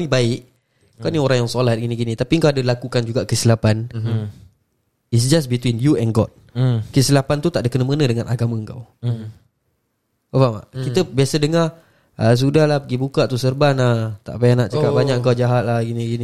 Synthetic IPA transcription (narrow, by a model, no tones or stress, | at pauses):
nibaɪʔ | kawnioɾaŋjaŋsolat̪̚ɡiniɡinĩt̪apiəŋkawadəlakukand͡ʒuɡaʔkəsilapan | its̬d͡ʒasbit̪winjuɛnɡɔ̰d̚kəsilapant̪ut̪aʔdəkənəmənədəŋanʔaɡamə̃əŋka̰w | əbama̰ʔkkit̪əbiasədəŋa | əs̬udahlahpəɡibukaʔt̪usərbanaht̪a̰ʔpajanaʔt͡ʃakapbaɲaʔk̚əŋkawd͡ʒaɦat̪̚lahɡiniɡini